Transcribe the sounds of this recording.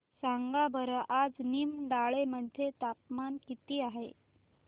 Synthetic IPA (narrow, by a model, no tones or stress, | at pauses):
saŋɡabʱəɾəʔad͡znimɖaɭeməd̪ʱet̪ap̚mankit̪iːaɦḛ